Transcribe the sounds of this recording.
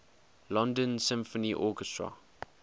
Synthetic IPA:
lɔ̃ndə̃nsɪ̃mfəniʔɔkɛstɹə̰

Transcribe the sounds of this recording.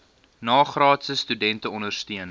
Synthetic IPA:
nɑːχrɑːtsəstydɛntəɔndərstiən

